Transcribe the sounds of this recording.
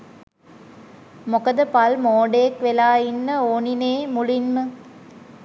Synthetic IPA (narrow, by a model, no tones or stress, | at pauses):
mokɐd̪əpɐlmoːɖeekʋelaːinːəoːnineːmulinmə